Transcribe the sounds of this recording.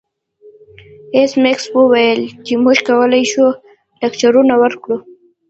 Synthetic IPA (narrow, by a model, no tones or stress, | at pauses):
esmɪkswəwajəlt͡ʃemuʒkawəlajʃu | lakt͡ʃaɾunawəɾkɽu